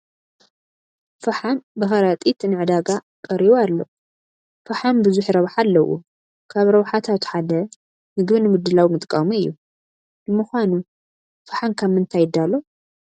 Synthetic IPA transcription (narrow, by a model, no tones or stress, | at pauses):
fɐħanbɨxɐɾat̪ʼit̪nɨʕɨd̪aɡa | kʼɐɾiβoalːo | fɐħanbɨzuħɾɐβħalːɐwʔṵ | kʰaβɾɐwħat̪ʰat̪ħad̪ɐ | nɨɡβɨnɨmɨd̪ːɨlawmɨt̪ʼkʼɐmuɨjːu | bɨmɨxʷanu | fɨħankʰamːɨnt̪ʰajɪd̪alo